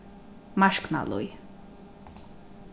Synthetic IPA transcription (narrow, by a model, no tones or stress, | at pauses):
maʃkna̰lṵj